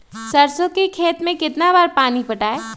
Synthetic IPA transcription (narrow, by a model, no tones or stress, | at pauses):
sɐɾsõkikʰeːt̪mẽkɪt̪nabaːɾpaːnipɐʈaːeː